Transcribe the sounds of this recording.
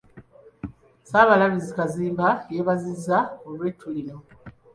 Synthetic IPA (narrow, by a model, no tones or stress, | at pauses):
saːβalaβizikaziːmbajeːβazizaolwetʰːulino